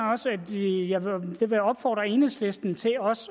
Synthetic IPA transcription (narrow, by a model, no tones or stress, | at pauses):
ɒ̽sæd̥jɑʋd̥e̝ʋeɒ̽b̥fɒ̰ːd̥ʁɐe̝nesle̝sd̥n̩t͡sʰe̝ɒ̽s